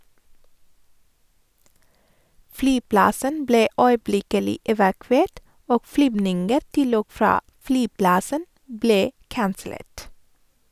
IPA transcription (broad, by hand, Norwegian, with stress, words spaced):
ˈflyːˌplɑsən ˈbleː œʏˈblɪkəlɪ ɛʋɑˈkʋeːʈ ˈoːɡ ˈflyːbnɪŋɡəɾ ˈtɪl ˈoːɡ ˈfɾɑː ˈflyːˌplɑsən ˈbleː ˈkɑnsl̩ˌeːʈ